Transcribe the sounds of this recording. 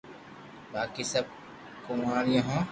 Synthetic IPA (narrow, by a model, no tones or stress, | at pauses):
baːkisɐb̚ | kʊmaːɾjãːɦõː